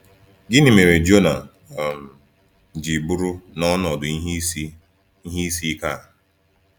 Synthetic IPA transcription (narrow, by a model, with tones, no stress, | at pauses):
ɡɪ˦nɪ˨me˨ɾe˨d͡ʒo˦na˨ | m̩˨ | d͡ʒi˨bu˦ɾu˦nɔ˦n˦ɔ˨dʊ˨˦ɦ | i˦ɦi˦i˦si˦ka˦˨